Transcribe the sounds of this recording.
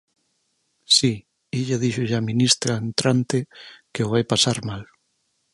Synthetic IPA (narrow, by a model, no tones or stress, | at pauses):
si | iʎaðiʃʊʎamĩnist̪ɾaent̪ɾant̪ɪkeoβajpasaɾmal